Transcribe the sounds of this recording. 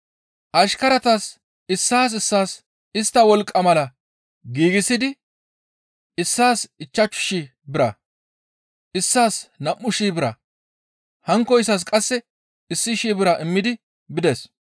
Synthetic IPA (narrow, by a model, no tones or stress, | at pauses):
ʔɐʃkɐɾɐt̪as | ɪsːaːs̬ɪsːaːs | ɪst̪ːɐwɔlkʼːɐmɐlɐ | ɡiːɡɪsɪd̪ɪ | ɪsːaːsɪt͡ʃːɐt͡ʃːʊ̥ʃi | bɪɾɐ | ʔɪsːaːsnɐmːʊʃiːbɪɾɐ | hɐŋkːɔɪs̬as̬kʼɐsːɛ | ɪsːɪʃiːbɪɾɐʔɪmːɪd̪ɪ | bɪd̪ɛs